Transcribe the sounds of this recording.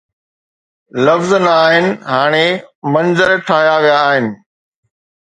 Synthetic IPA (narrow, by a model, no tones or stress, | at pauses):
lɐfznɐaːɦɪnɪ̆ɦaːɽ̃emɐ̃nzəɾʈʰaːɦjaʋijaːɦɪnɪ̆